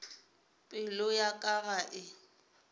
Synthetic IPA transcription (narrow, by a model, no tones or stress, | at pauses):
pʼɪlʊjakʼaɣaʔɪ